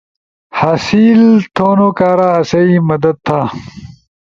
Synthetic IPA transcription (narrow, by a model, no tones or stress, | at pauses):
haːsiːlt̪ʰoːnokaːɾaɐsɐimɐd̪ɐd̪̚t̪ʰːaː